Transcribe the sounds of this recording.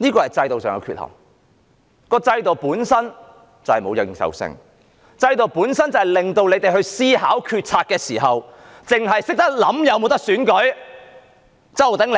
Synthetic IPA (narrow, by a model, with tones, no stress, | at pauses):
niː˥kɔː˧hɐ˨jt͡sɐ˧jt̪o˨wsœː˨˩ŋɐ̰˧kʰy̰ː˧t̚hɐ̰˨˩w | kɔː˧t͡sɐ˧jt̪o˨˩wpuː˨˥nsɐ˥n | t͡sɐ˨˩whɐ˨jmo˨˧wjɐ˨˧wjɪ˨˩ŋsɐ̰˨wsɪ̰˧ŋ | t͡sɐ˧jt̪o˨wpuː˨˥nsɐ˥nt͡sɐ˨whɐ˨jlɪ˨˩ŋt̪o˧wle˨˧jt̪e˨jhɵ˧ɥsiː˥ɦaː˨˥wkʰyː˧t̚t͡sʰaː˧t̚kɛː˧siː˨˩ɦɐ˨w | t͡sɪ˨ŋɦɐ˨jsɪ˥k̚t̪ɐ˥k̚lɐ˨˥mjɐ˨˧wmo˨˧wt̪ɐ˥k̚syː˨˥nkɵ˨˥ɥ | t͡sɐ˨˥wt̪ɐ˨˥ŋl